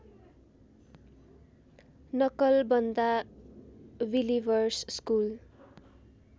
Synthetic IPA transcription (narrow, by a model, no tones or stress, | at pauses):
nʌkʌlbʌnd̪a | wilibʌrsskul